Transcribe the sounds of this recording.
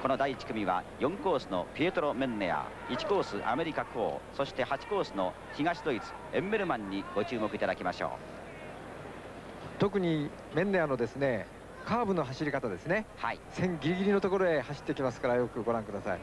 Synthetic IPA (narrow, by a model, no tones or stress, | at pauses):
ko̞no̞d̪aiːt͡ɕi̥kɯ̟mʲiβa̰jõ̞ŋko̞ːsɨno̞̰pʲiet̪oɾo̞mẽ̞nːe̞a̰ | it͡ɕi̥ko̞ːsɨʔa̰me̞ɾʲikako̞̰ːso̞ɕi̥t̪e̞hat͡ɕi̥ko̞ːsɨno̞̰ | çiŋaɕid̪o̞it͡sɨ̥ẽ̞mːe̞ɾɯ̟mãɲ̟ːiɡ̥o̞t͡ɕɨːmo̞kɯ̟it̪ad̪akʲimaɕo̞̰ː | t̪o̞kɯ̟ɲ̟i | mẽ̞nːe̞ano̞d̪e̞sɨne̞ | kaːbɯ̟no̞ɦaɕiɾʲikat̪ad̪e̞sɨne̞ha̰isẽ̞ŋɡʲiɾʲiɡʲiɾʲino̞t̪oko̞ɾoe̞haɕi̥t̪ːekʲimasɨ̥kaɾajo̞kɯ̟ɡo̞ɾãŋkɯ̟d̪asai